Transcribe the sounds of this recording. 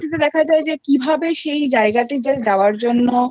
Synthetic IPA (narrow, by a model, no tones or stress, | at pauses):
ʈit̪ed̪ɛkʰad͡ʑaed͡ʑekibʱabeʃejd͡ʑaeɡaʈid͡ʑed͡ʑaoaɾd͡ʑonːo